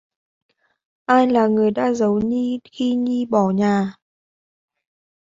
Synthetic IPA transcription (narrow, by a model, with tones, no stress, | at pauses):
ʔaː˧jlaː˨˩ŋɨ˨˩əjɗa̰ː˧˥zə˨˦wɲi˧xi˧ɲi˧ɓɔ˧˩ɲaː˨˩